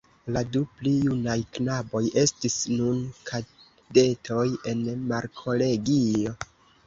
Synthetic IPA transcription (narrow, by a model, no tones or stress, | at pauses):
laduplijunajknabo̞jʔe̞stisnunkʰa | de̞tʰo̞je̞nmaɾkʰo̞le̞ɡio̞